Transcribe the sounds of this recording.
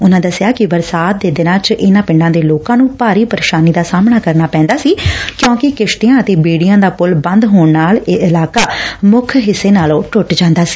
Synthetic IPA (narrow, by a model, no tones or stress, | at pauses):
ʊnãːd̪əsɪjaːkɪʋəɾsaːt̪̚d̪eːd̪ɪnãːt͡ʃʔɪnãːpɪ̃ɳɖãːd̪eːloːkãːnũːpaːɾiːpəɾeːʃaːniːd̪aːsaːmɳaːkəɾnaːpɛ̃ːnd̪aːsiːkjõːkɪkɪʃʈ̪iãːət̪eːbeːɽijãːd̪aːpʊlbənd̪ɦoːɳnaːleːʔɪlaːkaːmʊkʰɦɪsːeːnaːlõːʈʊʈd͡ʒãːnd̪aːsi̥ː